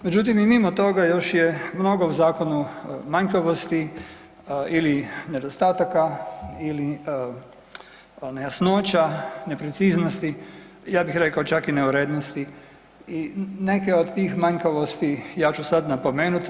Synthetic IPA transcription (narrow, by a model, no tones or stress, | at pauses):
me̞d͡ʒut̪imimimot̪o̞ɡajo̞ʃjemno̞ɡo̞uzaːko̞numaɲkaʋost̪i | iline̞d̪ost̪aːt̪akaili | nejasnoːt͡ʃane̞pɾet̪siːznost̪i | jaːbixɾekaot͡ʃakineuɾed̪nost̪i | ine̞keod̪t̪iːxmaɲkaʋost̪ijaːt͡ʃusad̪napo̞meːnut̪